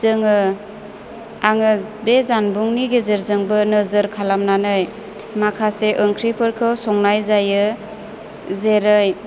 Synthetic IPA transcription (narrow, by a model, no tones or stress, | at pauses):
ɯŋɯ | aŋɯbezanbuŋniɡezeɾzɯŋbɯnɯzɯɾkʰalamnanɯj | makʰaseʔɯŋkʰɾipʰɯɾkʰɯwsɔŋnajzajɯ | zeɾɯj